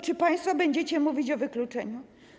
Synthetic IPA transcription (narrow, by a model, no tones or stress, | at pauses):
t͡ʂɘpãj̃st̪fɔbɛɲd͡ʑɛt͡ɕɛmuvʲit͡ɕɔvɘklut͡ʂɛɲu